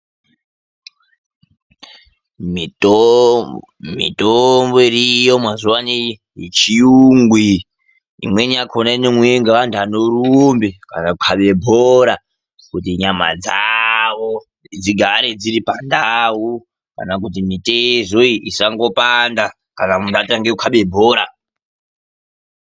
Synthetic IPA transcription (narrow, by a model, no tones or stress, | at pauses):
mit | mḭtomboirijo̞mwazuwani | jet͡ʃijuŋɡwḭː | mwe̞niakʰonainemweeŋɡeʋantuanorumbekanaukʰaɓe̞bʱoɾa | kutiɲama̰d͡zaʋo | d͡ziɡʱaɾe̞d͡ziɾipandau | ka̰nak̬ut̬imitezoiisaŋɡo̞panda | kanamuntataŋɡekukʰaɓe̞bʱoːɾa